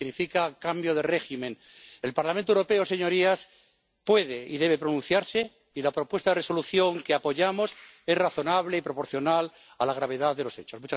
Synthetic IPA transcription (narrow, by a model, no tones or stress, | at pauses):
ɣnifikakambjoð̞ere̞ximẽ̞n | elpaɾlamẽnt̪oewɾopeose̞ɲo̞ɾias | pwe̞ðe̞iðe̞β̞e̞pɾonũnθjaɾse̞ | ilapɾo̞pwe̞st̪aðereso̞luθjo̞ŋkeapoʝamo̞s | e̞zraθo̞naβleipɾo̞po̞ɾθjo̞nal | alaɣ̞ɾaβe̞ðaððe̞lose̞t͡ʃo̞zmut͡ʃa